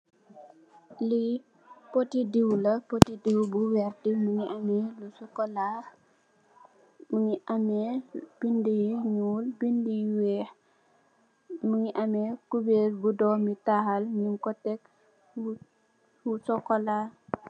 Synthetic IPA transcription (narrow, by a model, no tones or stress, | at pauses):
li | potidiwlɐpotidiwbuwɛrtimuŋiʔamɛlusɔkɔla | muŋiʔamɛb̥indijiɲuːlbindijwɛh | muŋiʔɐmɛkubeɾbudɔmitahalɲiŋkɔtɛk | usɔkːɔla